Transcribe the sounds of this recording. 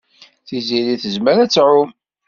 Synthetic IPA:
θiziɾiθəzməɾæt͡sːɾʊm

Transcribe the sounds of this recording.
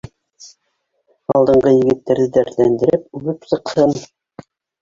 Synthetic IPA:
ɑlˠd̪ɤ̆ɴɢɤjɘ̆ɡɘ̆t̪ːæɾðɘd̪æɾlænd̪ɘ̆ɾɘp̚ʉɣɘpsɤ̆qhɤn

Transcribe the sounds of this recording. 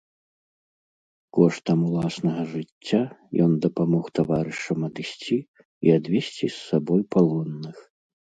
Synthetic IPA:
kɔʂt̪ɐmulˠasnɐɣɐʐɨt͡sʲːajɔnd̪ɐpamɔxt̪avaɾɨʂɐmɐd̪ɨsʲt͡sʲi | iad̪vʲɛsʲt͡sʲisːabɔjpalˠɔnːɨx

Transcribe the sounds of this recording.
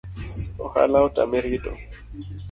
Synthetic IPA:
ɔha̰laʊtʼa̰meɾitʼɔ̰

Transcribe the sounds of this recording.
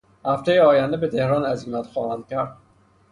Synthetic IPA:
hæft̪ʰejeɒːjænd̪ebet̪ʰehɾɒːnæziːmæt̪xɒːhænd̪̥̚kʲʰæɾd̪̥

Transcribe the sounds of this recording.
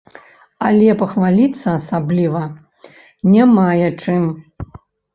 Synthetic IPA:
alʲɛpɐxvalʲit̪sːɐːsablʲivɐ | nʲamajɛt͡ʂɨm

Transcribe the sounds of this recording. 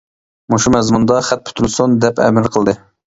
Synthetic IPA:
moʃumɛzmund̪ɑχæt̪̚pʰy̥t̪ʰylsund̪ɛpɛ̰mɪɾqʰəlˠd̪ɨ

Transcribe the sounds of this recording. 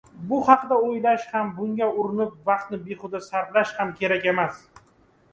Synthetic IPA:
bʊhɑqd̪aojlaʃhambʊŋɡʲaʊɾɪnɪp̚vɑq̚t̪nɪbeχʊd̪asaɾt̪laʃhamkʲʰe̞ɾakʲe̞mas

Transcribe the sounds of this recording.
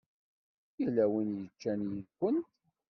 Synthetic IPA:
ilːæwənjət͡ʃːænjəðkʷːənt̪

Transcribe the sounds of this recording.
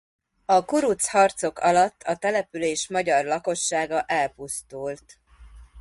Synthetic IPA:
ɒkuɾut̪shɒrt̪so̞kɒlɒt̪ːɒt̪ɛlɛpyleːʃmɒɟɒrlɒko̞ʃːaːɡɒʔɛlpust̪ult̪

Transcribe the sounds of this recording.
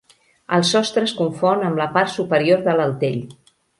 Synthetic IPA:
əlˠsɔst̪ɾəskuɱfonəmləpart̪supəɾioɾðələlˠt̪eʎ

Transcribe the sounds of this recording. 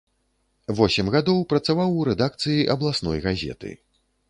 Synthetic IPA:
vɔsʲɛmɣad̪ɔwpɾɐt̪savawuɾɛd̪ak̚t̪sɨjiʔɐblˠasnɔ̰jɣazʲɛ̰t̪ɨ̰

